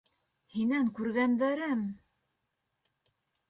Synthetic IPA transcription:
hinæŋkʉɾɡænd̪æɾɘm

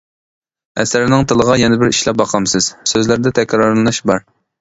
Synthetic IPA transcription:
ɛsæɾɪnɪŋt̪ʰɨlˠəʁɑjɛnɛbɪɾiʃlɛbɑqʰɑmsɨz̥søzlæɾd̪ɛt̪ʰɛkʲɾɑɾlɨnɨʃbɑɾ

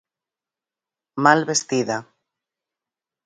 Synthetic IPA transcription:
malβest̪iða

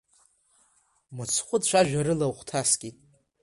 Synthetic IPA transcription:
mɨt͡sʰχʷʼʊdt͡ʃʷʰaʒᶣaɾɨlaχʷtʰaskʲʼitʼ

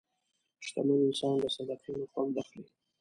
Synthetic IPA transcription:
ʃt̪amanɪnsɑnd̪əsad̪aqʰinoxwak̚d̪axli

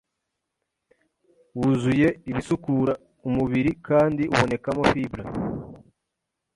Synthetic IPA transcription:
wuzuje̞iβisukuɾa | umuβiɾikaːndiʔṵβo̞ne̞kamo̞fibɾa

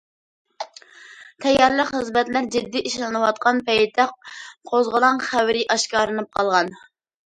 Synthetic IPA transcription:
t̪ʰɛjɑɾlˠəqχɨzmɛt̪læɾd͡ʒɪd̪ːiʔiʃlˠɨnɨwɑt̪̚qɑnpɛjd̪ɑq̚qʰozʁəlˠɑŋχæwɾɪʔɑʃkʲɑːɾɨnɨp̚qʰɑlˠʁɑn

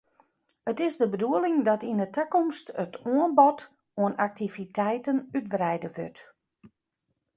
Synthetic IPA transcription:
ətɪsdəbəduəlɪŋdɔtindətʰəkɔmstətuənbɔt | uənak̚tivitʰɛjtənyt̚brɛjdəʋø̰t

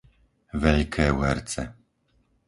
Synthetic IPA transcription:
vɛlkʰɛwɛɾt̪sɛ

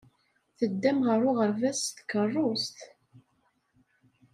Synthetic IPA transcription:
θəd̪ːæmʁəɾʊʁəɾvæst̪kːərˤːʊst̪

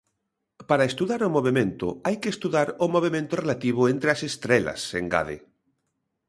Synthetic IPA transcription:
paɾaest̪uðaɾomoβ̞emẽnt̪o̰ajkeːst̪uðaɾomoβ̞emẽnt̪orelat̪iβ̞ʊent̪ɾeasest̪ɾela̰sḛŋɡa̰ð̞ḛ

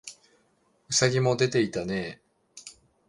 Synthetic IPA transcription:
ɯ̟saɡʲimo̞d̪e̞t̪e̞it̪ane̞ː

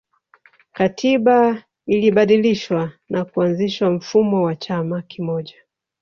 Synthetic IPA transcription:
katʰiɓa | iliɓaɗiliʃwanakuanziʃam̩fumɔwat͡ʃamakimɔʄa

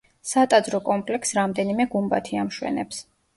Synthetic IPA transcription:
sat̪ʼad̪zɾɔkʼɔmpʼlɛksɾamd̪ɛnimɛɡumba̰t̪ʰiamʃwɛ̰nɛ̰ps

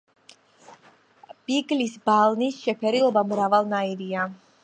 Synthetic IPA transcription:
b̥iɡlisbalˠnisʃɛpʰɛɾilˠɔbamɾavalˠnaiɾia

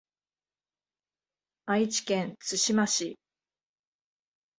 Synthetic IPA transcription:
ait͡ɕi̥kẽ̞nt͡sɨɕimaɕi

